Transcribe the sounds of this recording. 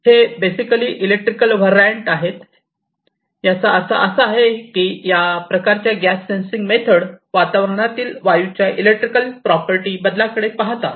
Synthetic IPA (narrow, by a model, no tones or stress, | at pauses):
hebesikəliːʔilek̚ʈɾikəlʋ̤əɾaɳʈaɦet̪ | jat͡saəsa̰ʔəsəːɦekijapɾəkaɾt͡ɕjaɡæsːensiŋɡmet̪ʰəɽʋat̪aʋɾəɳ̃at̪iːlʋajut͡ɕjaʔilek̚ʈɾikəlpɾɔpəɾʈiːbəd̪ʱlakəɽepaɦt̪a